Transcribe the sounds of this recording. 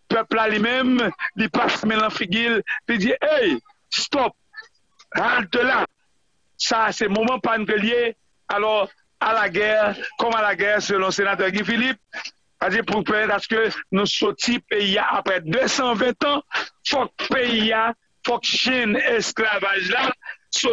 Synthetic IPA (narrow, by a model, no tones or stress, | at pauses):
pøplalimɛ̃mlipasmɛ̃nãfiɡillid͡ziʔej | st̪ɔp̚ | ɦalt̪øla | sasɛmomɑ̃pankəlje | alɔ | alaɡɛʁkɔmalaɡɛʁsølɔ̃senat̪ɛɡĩfilip̚ | ad͡zipupɛmɛt̪askønũsotipeijaʔapʁɛd̪øsɑ̃vɛ̃t̪ɐ̃fɔk̚peia | fɔkʃɛnesklavaʒlaso